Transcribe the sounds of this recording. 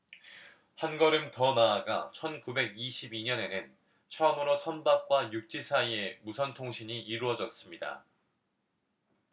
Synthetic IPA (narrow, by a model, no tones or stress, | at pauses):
hanɡʌɾɯmtʌnaːɡa̰t͡ɕʰʌnkube̞ɡiɕʰibiɲʌne̞nɯn | t͡ɕʰʌɯmɯɾosʰʌnbak̚k͈wajuk̚t͡ɕ͈isʰaie̞musʰʌntʰoŋɕʰiɲiiɾuwʌd͡ʑʌs͈ɯmɲida̰